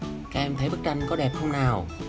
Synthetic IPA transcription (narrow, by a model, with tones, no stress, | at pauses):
kaː˦˧˥ʔɛ˧mt̪ʰə˨˦jɓə˦˥k̚t͡ɕa˧jŋ̟kɔ˨˦ɗɛ˨˩p̚hə˧wŋ͡mnaː˨˩w